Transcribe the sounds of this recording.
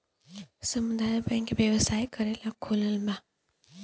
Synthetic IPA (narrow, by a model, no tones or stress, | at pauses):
səmud̪ajɔpaĩkebjəʋəsajkəɾelakʰoləlbã